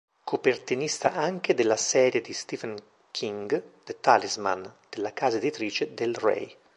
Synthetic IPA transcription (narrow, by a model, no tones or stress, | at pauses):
kʰopert̪inist̪a̰ʔaŋk̟ed̪elːasɛːɾjed̪ist̪ivɛn | kʰiŋɡd̪̥et̪alizma̰nd̪̥elːakaːzaed̪it̪ɾiːt͡ʃed̪elrɛ̰j